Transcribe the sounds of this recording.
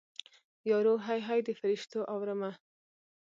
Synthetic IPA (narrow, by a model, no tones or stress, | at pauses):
jɑɾoɦajɦajd̪əfɪɾɪʃt̪oʔawɾəma